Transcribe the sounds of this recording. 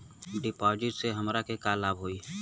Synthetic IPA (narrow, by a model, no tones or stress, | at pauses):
ɖɪpɔːd͡ʒɪʈseɦəmɾakekaːlaːbɦoːiː